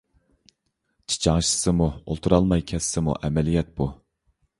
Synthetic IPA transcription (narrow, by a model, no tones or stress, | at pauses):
t͡ʃʰi̥t͡ʃʰɑŋʃɨ̥sɨmuo̰lˠt̪ʰuɾɑlˠmɑjkʲʰɛsːɪmṵʔɛmɛlijɛt̪̚bu